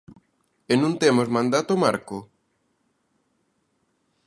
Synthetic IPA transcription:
enũnt̪emozmãnd̪at̪omaɾkʊ

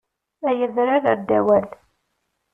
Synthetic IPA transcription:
æjəðɾaɾəɾd̪æwæl

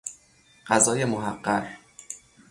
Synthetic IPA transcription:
ɢæzɒːjemoɦæɢːæɾ

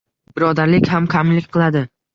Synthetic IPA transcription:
b̥ɪɾɒd̪aɾlɪkʲhamkʲʰamlɪkʲqʰɨlˠad̪ɪ

